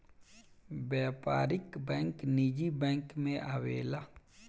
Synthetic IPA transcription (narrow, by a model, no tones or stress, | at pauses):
bjɛːpaːɾɪkbɛ̃ːŋknid͡ʒibɛ̃ːŋkmẽʔawḛːla